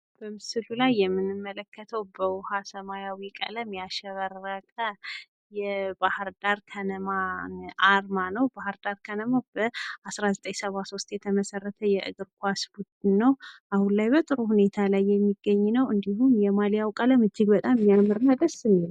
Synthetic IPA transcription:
b̥əmɨsɨlulajːɛmːɨnɨmːələkʰːət̪ʰəwbəwʊhasəmajawikʼə̰ləmjaʃɛβəɾːəkʼə | jɛbahɨɾd̪aɾkʰənəmaʔaɾmanəwbahɨɾd̪aɾkʰənəmabəasɾazət̪ʼəɲsəβaso̞st̪jɛt̪ʰəməsərːət̪ʰəjɛʔɨ̰ɡɨɾkʰʷasbud̪ɨnːəwʔahunlajbət̪ʼɨɾuhune̞t̪ʰalajːɛmːiɡːəɲːnəwɨnd̪iɦumjɛmalijawkʼələmɨd͡ʒːɨɡbət̪ʼamːijamɨɾɨnad̪əsɨmil

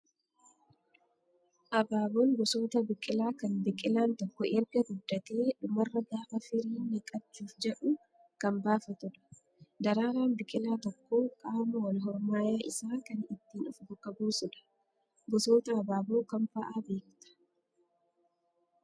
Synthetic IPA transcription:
ʔɐbaːboːŋɡɔso̞ːt̪ɐbɪkʼɪlaːkɐnbɪkʼɪlaːnt̪ɔkːɔʔɛɾɡɐɡʊd̪ːɐt̪e̞ːᶑʊmɐrːɐɡaːfɐfɪɾiːnːɪkʼɐb̚t͡ʃːuːfd͡ʒɛᶑʊ | kɐmbaːfɐt̪ʊᶑɐ̥ | d̪ɐɾaːɾaːnbɪkʼɪlaːt̪ɔkːoːkʼaːmɐwɐlɦɔɾmaːjaːʔɪsaːkɐnɪt̪ːiːnɔfɡʊkʼːɐbuːsʊᶑɐ̥ | ɡɔso̞ːt̪ɐːbaːboːkɐmpɐʔaːbe̞ːkt̪ɐ̥

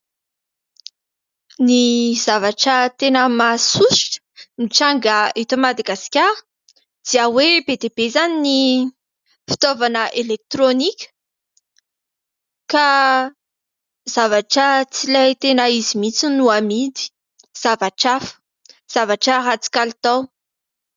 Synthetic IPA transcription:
niz̥avaʈ͡ʂət̪enəmasusi̥ʈ͡ʂə̥niʈ͡ʂaŋɡaet̪omad̪aɡasi̥kʲa | d̪̥iawebed̪eb̥ezanini | fi̥t̪ovanəʔelek̚t̪ɾonikʲə̥ | ka | z̥avaʈ͡ʂət͡silajt̪enəizimit͡sinuamid̪i̥ | z̥avaʈ͡ʂafə̥ | z̥avaʈ͡ʂəɾat͡si̥kalit̪aw

